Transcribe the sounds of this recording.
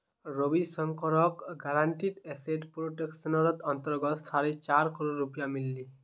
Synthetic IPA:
ɾobisɔŋkɔɾɔkɡaɾaɳʈiʈɛseʈpɾoʈeksɔnɔɾɔt̪ɔnt̪ɔɾɡɔt̪saɾet͡ɕaɾkɔɾoɾupijamilːi

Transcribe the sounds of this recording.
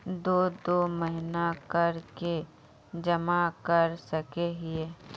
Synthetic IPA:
d̪oːd̪oːməɦɪnakəɾke | d͡ʒɐmakəɾsəkeɦɪeː

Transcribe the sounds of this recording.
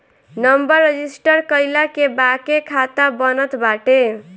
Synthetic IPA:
nəmbəɾːed͡ʒisʈəɾkəɪlakebakekʰat̪abənət̪baʈe

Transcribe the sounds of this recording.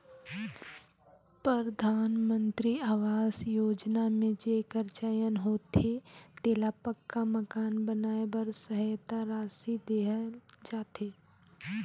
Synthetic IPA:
pɾəɾd̪ʱaːnmə̃nt̪ɾiaːʋaːzjoːd͡ʒnamẽd͡ʒekəɾt͡ʃajənɦoːt̪et̪eːlapəkːamɐkaːnbənaːebɐɾsəɦəjt̪aɾaːsid̪eːɦəd͡ʒaːt̪eː

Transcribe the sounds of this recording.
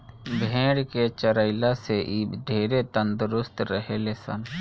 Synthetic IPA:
bʱẽːɽket͡ʃəɾəɪlaseʔiːbɖʱeːɾet̪ə̃nd̪ʊɾʊst̪ɾəɦeːlesə̰n

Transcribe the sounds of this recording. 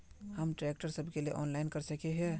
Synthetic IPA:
həmʈɾeːk̚ʈəɾsəbʱkelieʔɔːnlaɪnkəɾsəkeɦɛ

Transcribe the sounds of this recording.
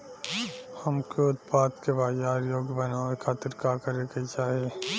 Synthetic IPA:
hɐmkeʊt̪paːd̪kebaːjaːɾjoːɡbɐnaːekʰaːt̪ɪɾkakəɾekeit͡ʃaːɦieː

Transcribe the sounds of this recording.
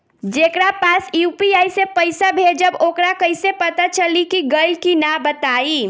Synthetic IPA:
d͡ʒekɾapasjupiaisepəɪsabʱed͡ʒəbokɾakəjsepət̪at͡ʃəlikiɡəlkinabət̪ai

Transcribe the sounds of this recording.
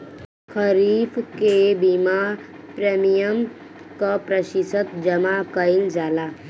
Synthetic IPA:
kʰəɾiːfkebima | pɾemijəm | kapɾəʃisət̪d͡ʒɐmakəild͡ʒaːlaː

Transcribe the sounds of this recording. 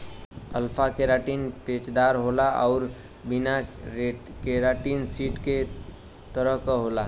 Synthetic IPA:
əlpʰakeɾaʈinpet͡ʃd̪aɾɦolaʔɔ̰ʊɾ | bina | keɾaʈinsiʈke | t̪əɾəɦkɦola

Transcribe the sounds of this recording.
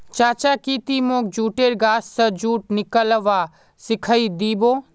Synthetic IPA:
t͡ʃaːt͡ʃakit̪imoːk̚d͡ʒuːʈeːɾɡaːsːəd͡ʒuːʈ̚nɪkələʋaː | sɪkʰəid̪iːboː

